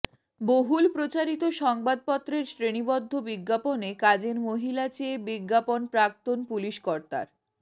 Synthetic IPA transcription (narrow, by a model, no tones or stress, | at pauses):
boɦulpɾot͡ɕaɾit̪oʃɔŋbad̪̚pɔt̪ːɾeɾsɾenibɔd̪ʱːobiɡːaponekad͡ʑeɾmoɦilat͡ɕeːbiɡːaponpɾak̚t̪onpuliʃkɔɾt̪a̰ɾ